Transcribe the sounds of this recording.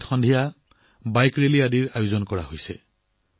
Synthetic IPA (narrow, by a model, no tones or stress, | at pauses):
txɔndʱija | bajkɹeliadiɹajuzɔnkɔɹa̰ɦojsɛ̰